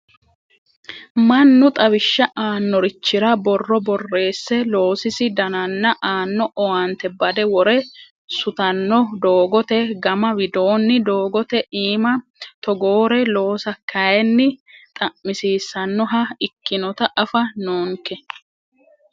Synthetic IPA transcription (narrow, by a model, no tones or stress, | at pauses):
mɐnːʊt̪ʼɐβɪʃːɐʔaːnːɔɾɪt͡ʃːɪɾɐbɔrːɔbɔrːe̞ːsːɛlo̞ːsɪsɪd̪ɐnɐnːɐʔaːnːɔʔɔwant̪ɛbɐd̪ɛwɔɾɛ | sʊt̪ɐnːɔd̪oːɡɔt̪ɛɡɐmɐwɪd̪o̞ːnːɪd̪oːɡɔt̪ɛʔiːmɐt̪ɔɡoːɾɛlo̞ːsɐkʰːɐjɛnːɪt̪ʼɐʔmɪsiːsːɐnːɔɦɐɪkːɪnɔt̪ɐʔɐfɐnoːŋkɛ